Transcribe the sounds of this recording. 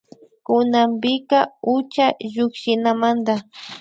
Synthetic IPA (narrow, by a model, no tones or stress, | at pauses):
kʊnambɪkaʊt͡ʃaʒʊkʃɪnamand̪a